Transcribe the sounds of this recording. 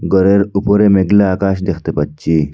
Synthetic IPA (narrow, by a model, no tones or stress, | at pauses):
ɡɔɾeɾupoɾemeɡlaakaɕd̪ekʰt̪epətːt͡ɕi